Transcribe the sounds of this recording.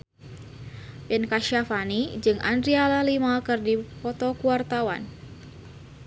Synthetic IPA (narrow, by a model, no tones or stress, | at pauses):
pɛnkaʃafanid͡ʒɨŋʔa̰ndɾialalimakɨrdipɔt̪ɔkuart̪awa̰n